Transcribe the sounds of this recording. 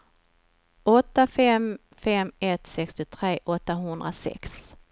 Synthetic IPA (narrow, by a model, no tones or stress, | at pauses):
ʔɔt̪ːafɛm | fɛmɛt̪sɛkst̪ɪt̪ʰɾeːʔɔt̪ːaɦɵnd̪ɾa̰sɛ̰ks